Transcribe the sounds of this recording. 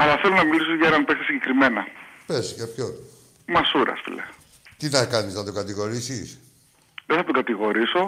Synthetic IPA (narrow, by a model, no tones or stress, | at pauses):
ɐlɐθe̞lonɐmilisoʝɐeɾɐnpekt̪esiɲɟe̞kɾime̞nɐpescɐpço | mɐsuɾɐ̰sfḭlḛ | t̪inɐkɐniznɐt̪o̞kɐt̪iɣo̞ɾisis | ðeθɐt̪oɡɐt̪iɣo̞ɾiso̞